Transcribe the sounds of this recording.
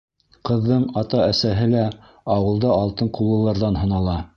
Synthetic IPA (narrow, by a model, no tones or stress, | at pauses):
qɤ̆ðːɤɴɑt̪ɑæsæɦɘlæ | ɑwɤ̆lˠd̪ɑɑlˠt̪ɤɴqulˠːɤ̆lˠɑɾðɑnɦɤ̆nɑlˠɑ